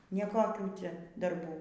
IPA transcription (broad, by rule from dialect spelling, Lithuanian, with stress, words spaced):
nʲɛ ˈkoːkʲuː ˈt͡sʲɛ dɐrˈbuː